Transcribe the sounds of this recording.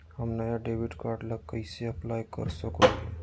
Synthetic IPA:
həmnəjaɖebiɖkaɾɖləɡkːəɪseəplajkə̰ɾsəkoẽ

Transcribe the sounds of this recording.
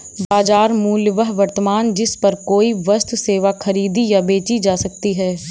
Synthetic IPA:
baːd͡ʒaːɾmuːlʋəɦʋɐɾt̪əmaːnd͡ʒɪspɐɾkoːiʋɐst̪ʰseːʋaxʰɐɾiːd̪ijabeːt͡ʃid͡ʒaːsɐk̚t̪iɦɛː

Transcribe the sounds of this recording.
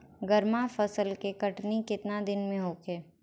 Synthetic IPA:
ɡəɾmafɐsəlkekɐʈnikɪt̪nad̪ɪnmẽɦoːkeː

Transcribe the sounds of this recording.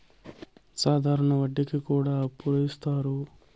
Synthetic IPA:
saːd̪ʱaːɾɐɳɐʋɐɖːikikuːɽaːɐpːuɾɐist̪aːɾu

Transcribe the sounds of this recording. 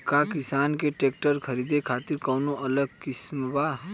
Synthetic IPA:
kakɪsaːnkeʈeːk̚ʈəɾkʰɐɾiːd̪ekʰaːt̪iɾkɐwnoʔɐləɡkɪsmba

